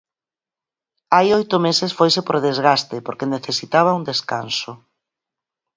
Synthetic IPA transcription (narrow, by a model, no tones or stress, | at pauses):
ajojt̪ʊmesesfojsepoɾðezɣast̪ɪpoɾkeneθesit̪aβ̞aund̪eska̰nso